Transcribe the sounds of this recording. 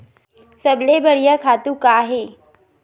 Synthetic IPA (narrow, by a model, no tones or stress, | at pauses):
səblebəɽijakʰat̪ukaɦe